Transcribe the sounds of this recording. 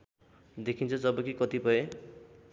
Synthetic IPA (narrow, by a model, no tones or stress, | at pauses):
d̪ekʰint͡sʰʌd͡zʌbʌkikʌt̪ipʌe